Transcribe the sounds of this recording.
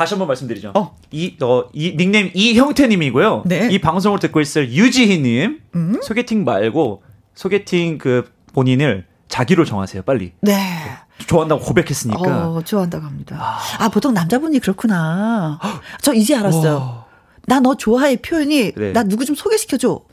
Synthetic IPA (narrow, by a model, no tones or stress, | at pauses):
kaɕʰiʌmbʌnmaɭs͈ɯmdɯɾid͡ʑoʌ | iʌiniŋnemiçjʌŋtʰe̞ɲimiɡojoneipaŋs̬ʰoŋɯɭtɯk͈ois͈ʌjojud͡ʑiɦiɲimsʰoɡetʰiŋma̰ɭɡo | sʰoɡetʰiŋkɯ | poɲinɯɭ | t͡ɕaɡiɾot͡ɕʌŋɦa̰sʰe̞jop͈aʎːḭne̞ | t͡ɕoaɦandaɡokobe̞kʰe̞s͈ɯɲik͈at͡ɕoaɦandaɡoɦamɲidaapotʰoŋnamd͡ʑaboɲikɯɾʌkʰuna | t͡ɕʌid͡ʑeaɾas͈ʌjo | nanʌt͡ɕoaɦaepʰjojʌɲine̞̰nanuɡud͡ʑomsʰoɡe̞ɕʰi̥kʰjʌd͡ʑo